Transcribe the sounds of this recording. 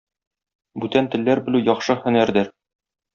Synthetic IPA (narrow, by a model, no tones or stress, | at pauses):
bʉt̪ænt̪ɘ̆lːæɾbɘ̆lʉjɒχʃɤhɵ̆næɾd̪ɘɾ